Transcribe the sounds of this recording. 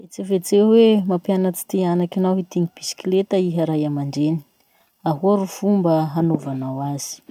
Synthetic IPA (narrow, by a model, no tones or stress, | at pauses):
et͡sevet͡sewemapjanət͡si̥t̪ianakinawɦit̪iŋib̥isi̥kilet̪əiɦaɾajamaɳɖ͡ʐeni̥ | aɦuaɾuv̥umbəɦanovanawaz̥i̥